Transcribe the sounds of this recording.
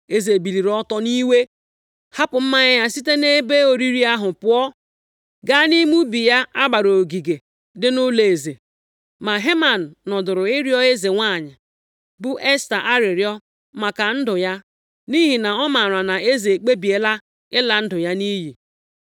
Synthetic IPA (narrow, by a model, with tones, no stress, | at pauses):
e˦ze˨bi˨li˨ɾɔ˦tɔ˦ni˦we˦ | ha˦pʊ˨m̩˦ma˦ɲɪ˦ja˦si˦te˦ne˦be˦o˨ɾi˦ɾi˦a˦ɦʊ˨pʊ˦ɔ˦ | ɡa˦ni˦mu˦bi˨ja˦a˦ɡ͡ba˨ɾo˨ɡi˨ɡe˨ | dɪ˦nʊ˦le˨e˨ze˨ | ma˨ɦe˦ma˨n̩ː˨ɔ˨dʊ˨ɾʊ˨ɪ˦ɾjɔ˦e˦ze˨ŋʷa˦˨ɲɪ˨ | bʊ˦ʔe˦sta˨ʔa˦ɾɪ˨ɾjɔ˦ | ma˨ka˨n̩˦dʊ˨ja˦ | ni˦ɦi˨na˨ɔ˦ma˨ɾa˨na˨e˦ze˨e˨k͡pe˦bi˨e˦la˦ | ɪ˦la˨n̩˦dʊ˨ja˦ni˦ɦi˨